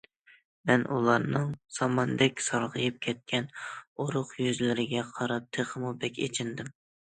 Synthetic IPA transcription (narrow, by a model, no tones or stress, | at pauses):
mɛnʔulˠɑɾnɨŋsɑmɑnd̪ɛkʲsɑɾʁɨjɨp̚kʲʰɛt̪̚kʲʰɛnoɾʊχjyzlɪɾɪɡʲɛqʰɑɾɑp̚t̪ʰeχʰəmubɛkʲḛt͡ʃʰɪnd̪ɪm